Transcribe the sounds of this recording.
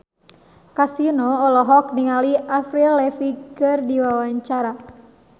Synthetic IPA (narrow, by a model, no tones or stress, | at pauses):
kasinɔːlɔɦɔk̚niŋaliafɾilɛfikɨrdiwawaɲt͡ʃaɾa